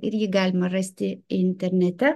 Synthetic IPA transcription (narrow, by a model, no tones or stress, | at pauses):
ɪ̰ɾʲjɪɡɑːlʲɪmɐɾɐsʲt̪ʲɪɪnʲt̪ʲɛɾʲnʲɛt̪ʲɛ